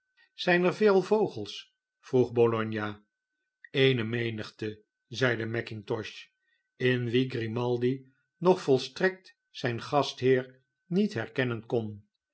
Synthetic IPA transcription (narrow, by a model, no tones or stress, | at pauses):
z̥ɛjnəɹveːlˠvowχəlˠs | fruχbolɔɲja | ejnəmejnəχtə | zɛjdəmɛkɪŋtɔʃ | ɪnʋiɡrimɑlˠdi | nɔχfɔlˠstrɛk̚t | sɛjnχɑstɦɪːɹ | nitɦɛɹkɛnənkɔn